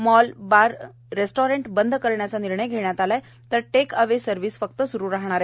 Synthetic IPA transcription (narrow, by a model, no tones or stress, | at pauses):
mɔlbaɾ | ɾesʈɔɾeɳʈbənd̪ʱkəɾɳjat͡saniɾɳəjɡʱeɽjat̪ala | t̪əɾʈekəʋesəɾʋiːsfək̚t̪əsuɾuːɾaɦɳ̃aɾe